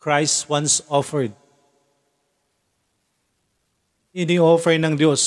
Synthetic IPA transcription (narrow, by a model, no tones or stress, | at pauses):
kɹajst̪wɐ̃nsɔfɛɹd̪̚ | ʔɪnɪɔfɛɹɪŋnɐŋd̪jos